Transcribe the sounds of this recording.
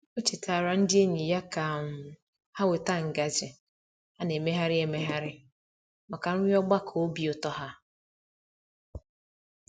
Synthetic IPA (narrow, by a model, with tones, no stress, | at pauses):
o˦t͡ʃi˨tʰa˨ɾa˨n̩˦dɪ˦e˦ɲi˨ja˦ka˨m̩˨ | ha˦we˨ta˦˨ŋ̩˨ɡa˨d͡ʒɪ˨ | a˦ne˨me˦ɦa˦ɾɪ˦e˦me˦ɦa˦ɾɪ˦ | ma˨ka˨nʊ˦ɲ˦ɔ˦ɡ͡ba˦kʰo˨o˦bi˦o˨tɔ˦ɦa˦